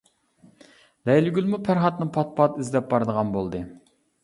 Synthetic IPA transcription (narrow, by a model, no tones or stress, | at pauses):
d̪̥ɛjlɪɡʲylmupʰæɾχɑt̪nɨpʰɑt̪̚pʰɑt̪izlɛp̚bɑɾɨd̪əʁɑnbolˠd̪ɨ